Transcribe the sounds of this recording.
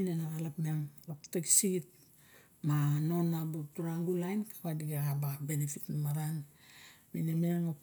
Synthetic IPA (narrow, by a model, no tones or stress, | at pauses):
inenaɣalakmiaŋlapteɡisiɡit̚ | mano̞nabutuɾaŋɡulajnkḁkadiɡaɡababe̞nefitnamaɾan | minemiaŋo